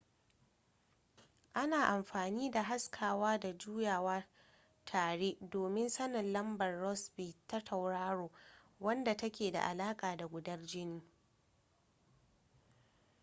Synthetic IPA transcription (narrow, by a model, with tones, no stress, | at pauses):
ʔa˦naː˨ʔa˨mɸaː˨niː˦da˨ɦa˦skʰaː˨waː˦da˨d͡ʒuː˦jaː˨wɐ˦ | tʰaː˨ɽeː˦doː˨mɪ˦nsɐ˦nɪ˨nlɐ˦mbɐ˨rːɔ˦sbi˨tːa˦tʰɐ˨wɽaː˦ɽoː˨ | wɐ˦nda˨tɐ˦kʲeː˨da̰˨ʔa̰˨laː˦kʼaː˨da˨ɡʷʊ˨dɐ˦rd͡ʒɪ˦niː˦